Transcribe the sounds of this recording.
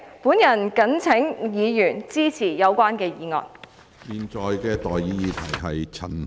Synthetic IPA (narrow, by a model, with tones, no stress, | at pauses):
puː˨˥njɐ˨˩nkɐ˨˥nt͡sʰɪ˨˥ŋjiː˨˧jyː˨˩nt͡siː˥t͡sʰiː˨˩jɐ˨˧wkʷaː˥nkɛː˧jiː˨˧ŋɔ̰ː˨˧n | jiː˨nt͡sɔː˨jkɛː˧t̪ɔː˨˩jːiː˨˥jiː˨˧t̪ʰɐ˨˩jɦɐ˨jt͡sʰɐ˨˩n